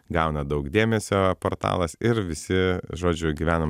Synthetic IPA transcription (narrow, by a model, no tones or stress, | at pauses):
ɡɐʊnɐd̪ɐʊkd̪ʲeːmʲɛsʲoːpoːɾt̪ɑ̰ːlˠɐsɪɾʋʲɪsʲɪʒoːd͡ʒʲʊɡʲiːʋʲæːnɐ